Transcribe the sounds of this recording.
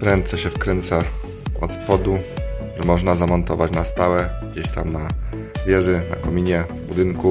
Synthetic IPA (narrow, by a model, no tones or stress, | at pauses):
pɾɛnt̪sɛɕɛfkɾɛnt̪sa | ɔ̰t̪spɔd̪uʐɛmɔʐnazamɔnt̪ɔvat͡ɕnast̪awɛɡd͡ʑeɕt̪a̰mna | vʲjɛʐɛna̰kɔmʲiɲɛ | bud̪ɘŋku